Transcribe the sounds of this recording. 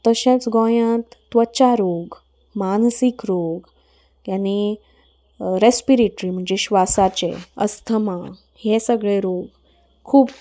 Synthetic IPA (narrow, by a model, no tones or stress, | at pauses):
t̪əɕẽt͡sɡɔ̃jãt̪ːʋət͡ɕaɾoɡ | mansikɾoɡ | jani | ɾespiɾeʈɾim̤əɳd͡zeɕʋasat͡ɕḛə̰st̪ʰəmã | hesəɡɭeɾoɡ | kʰuːp